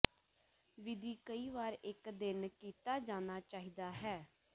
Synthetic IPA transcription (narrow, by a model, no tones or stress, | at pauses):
ʋɪd̪iːkəiːʋaːɾɪkd̪ɪnkiːt̪aːd͡ʒaːnaːt͡ʃaːɦiːd̪aːɦɛː